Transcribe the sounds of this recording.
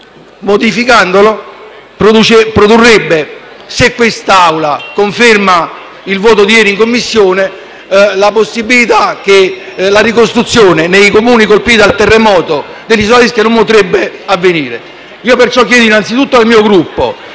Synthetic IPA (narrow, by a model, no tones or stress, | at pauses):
mod̪ifikand̪olo | pɾout͡ʃpɾod̪urːebːe | sekːwest̪aawlakoɱferma | ilvɔːt̪od̪ijɛːɾiŋkomːisːjoːne | laposːibːilit̪ak̟ːelaɾikost̪ɾut̪sːjoːnenejkomuːnikolpiːt̪alt̪ɛrːemɔːt̪o | d̪elːisoaliskanompot̪ɾebːeavːeniːɾe | iːopert͡ʃɔk̬ːjɛːd̪oinant̪sit̪ut̪ːoalmiːoɡɾupːo̰